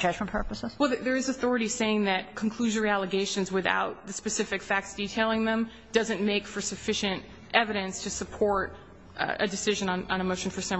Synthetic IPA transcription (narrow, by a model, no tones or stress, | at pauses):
d͡ʒʌd͡ʒmə̃n̩pʰɜ˞pəsəz̥wɛlˠððə˞ɨzɨθɔɹɨɾiseɪɪ̃ŋðɨt̚kʰn̩kʰl̥ʉʒə˞iælˠəɡeɪʃɨ̃nzwɨθa̰ʊt̪̚ðɨspɨsɪfɨkfæk̚tsd̥itʰeɪlˠɪ̃ŋðə̃m | d̥ʌzɨ̃nmeɪkfə˞sɨfɪʃɨ̃nt | ʔɛvɨɾɨ̃nstʰɨsɨpʰɔɹɾ | ɨ̰dɨsɪʒɨ̃nə̃nə̃nəmoʊʃn̩fə˞sɛ̃m